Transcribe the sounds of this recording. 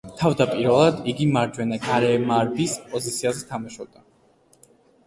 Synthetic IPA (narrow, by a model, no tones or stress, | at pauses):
t̪ʰavd̪apʼiɾvɛlˠad̪iɡimaɾd͡ʒwɛnaɡaɾɛmaɾbispʼɔzit̪sʰiazɛt̪ʰamaʃɔb̚d̪a